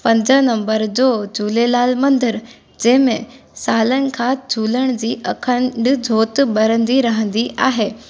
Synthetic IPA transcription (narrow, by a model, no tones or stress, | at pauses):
pə̃nd͡zənəmbəɾd͡zod͡ʑʱuːlelaːlmənd̪əɾ | d͡ʑemẽ | saːlənkʰad͡ʑʱuːlə̃d͡ʑiːʔəkʰə̃ɳɖd͡zʱot̪bəɾənd̪iɾaɦə̃nd̪iʔaɦe